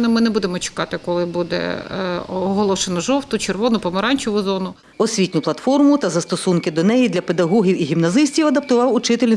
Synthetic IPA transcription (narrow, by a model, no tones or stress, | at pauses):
nɪmɪnɛbud̪emɔt͡ʃɪ̥kɑt̪ɪkɔlˠɪbud̪ɛ̰ | ɔɦɔlˠɔʃenɔʒɔwt̪ʊt͡ʃerʋɔnʊpɔmeɾɑnʲt͡ʃʊʋʊzɔnʊ | ɔsʲʋʲitʲnʲʊplˠɐt̪fɔrmʊt̪ɐzɐst̪ɔsunkɪd̪ɔnɛjid̪lʲɐped̪ɐɦɔɦʲiwiɦʲimnɐzɪsʲtʲiwɐd̪ɐp̚t̪ʊʋɑwʊt͡ʃɪt̪elʲnʲ